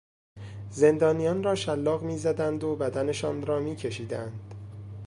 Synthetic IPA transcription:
ze̞nd̪ɒːnijɒːnrɒːʃælːɒːɣmiːzæd̪ænd̪obæd̪æne̞ʃɒːnɾɒːmiːcʰe̞ʃiːd̪ænd̪̥

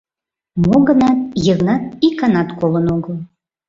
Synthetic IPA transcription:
moɣənɑt̪̚jəɣnɑt̪̚ikːɑnɑt̪kolənoɣəlˠ

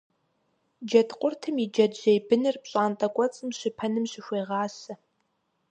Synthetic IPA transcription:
d͡ʒɐtʰqʷʼʊrtʰɨmid͡ʒɐdʑejbɨnɨrpɕʼaːntʼɐkʷʼɔt͡sʼɨmɕɪpʰɐnɨmɕɪɕʷeːʁɑːsɐ

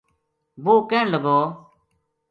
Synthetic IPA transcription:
buːkɛ̃ːɳləɡoː

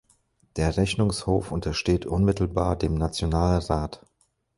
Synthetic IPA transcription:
d̥eːɐʁɛçnʊŋshoːfʔʊntɐʃteːtʔʊnmɪtl̩baːɐdeːmnat͡sjonaːlʁaːt

